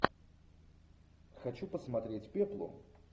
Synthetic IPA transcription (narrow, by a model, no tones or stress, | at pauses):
xɐt͡ɕupəsmɐt̪ɾʲetʲpʲeplˠʊ̰